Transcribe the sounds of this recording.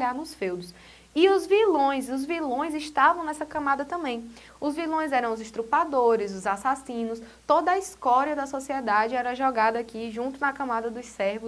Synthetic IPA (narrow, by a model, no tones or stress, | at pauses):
ʎaɾnʊsfewd̪ʊs | iʊzvilõj̃zʊzvilõj̃zɪʃt̪avɐ̃w̃nɛsɐkɐ̃mad̪ɐt̪ɐ̃mbẽj̃ | ʊzvilõj̃zɛɾɐ̃w̃ʊzɪʃt̪ɾupad̪oɾɪzʊzasasĩnʊst̪od̪ɐiskɔɾiɐd̪ɐsɔsiɛd̪ad͡ʒɪɛɾɐɐʒɔɡad̪ɐakiʒũnt̪ʊnɐkɐ̃mad̪ɐd̪ʊssɛɾvʊ